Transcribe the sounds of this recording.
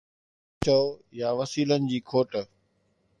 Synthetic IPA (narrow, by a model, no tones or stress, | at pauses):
t͡ɕɐjaːʋɐsiːlənɪ̆d͡ʑiːkʰoːʈ